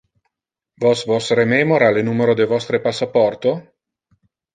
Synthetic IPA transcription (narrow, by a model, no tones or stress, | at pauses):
vosvosrememoɾalenuːmeɾod̪evɔst̪ɾepasːapɔrt̪o